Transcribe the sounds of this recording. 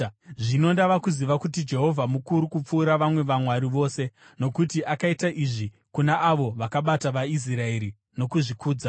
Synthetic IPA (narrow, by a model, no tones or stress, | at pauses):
ʐino̞ndaʋakuziʋakutid͡ʒe̞ɦo̞vʱamukuɾukup͡fuːɾaʋamwe̞ʋamwaɾiʋo̞ːse̞ | no̞kutiʔakaitaʔiʐi | kunaʔaʋo̞ʋakaɓataʋais̬iɾae̞ɾi | no̞kuʐikuːd͡za